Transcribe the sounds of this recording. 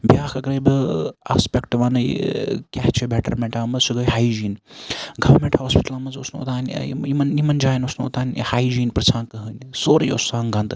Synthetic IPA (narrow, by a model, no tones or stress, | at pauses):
bjaːkɐkɾeba̰ːspʲekʈʋanɐjkʲɛht͡ʃʰibeʈɐɾmeɳʈãːmɐsuɡɐjhaːjd͡ʒiːnɡɐʋɐɾmeɳʈhoːspi̥ʈɐlaːmɐzo̰snoo̰t̪aːn̰imɐnimɐnd͡ʒaːjnosnoo̰t̪aːnʲhaːjd͡ʒiːnpɾt͡ʃʰãːnkɐɦɨnʲsoːɾijo̰saːŋɡɐnd̪